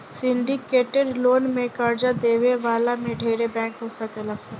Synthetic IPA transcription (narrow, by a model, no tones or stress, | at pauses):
sɪ̃ɳɖikeːʈeɖloːnmẽkaːɾd͡ʒad̪eːʋeʋaːlamẽɖʱeːɾebɛ̃ːŋkɦoːsakelase